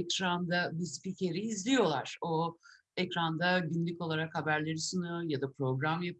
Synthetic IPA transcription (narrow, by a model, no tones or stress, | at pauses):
ɛcɾand̪abispicʰe̞ɾiːzlʲijo̞lˠaɾ̥o̞ | ɛcɾand̪aɟynlʲyco̞lˠaɾakhabæɾlʲe̞ɾisunjojad̪apɾo̞ɡɾamja